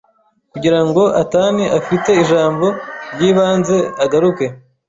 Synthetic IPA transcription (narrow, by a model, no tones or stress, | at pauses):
kuɟiɾaŋɡo̞ʔataniʔafite̞iʒaːmbo̞ɾjiːβaːnze̞aɡaɾuke̞